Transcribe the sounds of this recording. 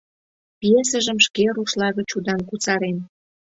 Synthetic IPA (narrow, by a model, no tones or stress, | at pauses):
pijesə̆ʒə̆mʃkeɾuʃlɑɣət͡ɕud̪ɑnkut͡sɑɾen